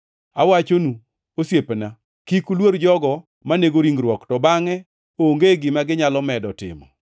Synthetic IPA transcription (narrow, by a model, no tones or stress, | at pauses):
awat͡ʃonu | osjepna | kikulwoɾd͡ʒɔɡɔ | maneɡoɾiŋɡɾwɔktɔbaŋɛ | oŋɡeɡɪmaɡɪɲalɔmɛdɔtɪ̰mɔ̰